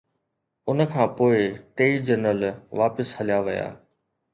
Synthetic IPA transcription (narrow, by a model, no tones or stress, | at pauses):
ʊnkʰãːpoːɪʈeːid͡ʑənəlʋaːpəshɐlijaʋɪja̰ː